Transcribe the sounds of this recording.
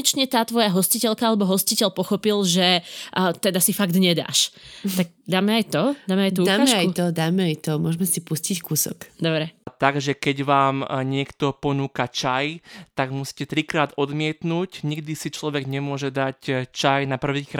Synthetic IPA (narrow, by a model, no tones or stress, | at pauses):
ɛt͡ʃɲɛt̪aːt̪ʋɔjaɦɔscicɛlkaalɛbɔɦɔscicɛʎpɔxɔpilʒɛt̪ɛd̪asifaɡd̪ɲɛd̪a̰ːʃt̪aɡ̚d̪aːmɛajt̪ɔaːmɛajt̪uud̪aːaːɛajut̪ɔd̪aːmɛajt̪ɔmʊɔʒmɛsipuscickuːsɔ̰kd̪ɔbɾɛt̪aɡʒɛkɛɟʋaːmɲɪɛkt̪ɔpɔnuːkat͡ʃajt̪aɡmusi̥ːcɛt̪ɾikɾaːd̪ɔd̪mɪɛt̪nuːcɲiɡd̪isit͡ʃlɔʋɛɡɲɛmʊɔʒɛd̪act͡ʃajnapr̩ʋiːkɾ